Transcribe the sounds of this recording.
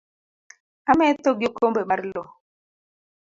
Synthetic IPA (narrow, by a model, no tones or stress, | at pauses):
amɛtoɡjokombemaɾlɔ